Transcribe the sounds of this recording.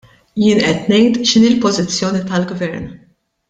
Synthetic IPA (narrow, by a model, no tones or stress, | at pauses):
jɪːnʔɛt̪nɛjt̪ʃɪniːlpɔzɪt͡sːjɔːnit̪ɐlɡvɛɾn